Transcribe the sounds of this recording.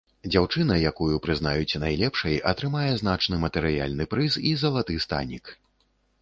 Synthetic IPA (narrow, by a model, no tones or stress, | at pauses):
d͡zʲawt͡ʂɨnɐjakujupɾɨznajut͡sʲnajlʲɛpʂɐjʔɐt̪ɾɨmajɛzn̪at͡ʂnɨmɐt̪ɛɾɨja̰lʲnɨpɾɨsizɐlˠat̪ɨst̪a̰nʲik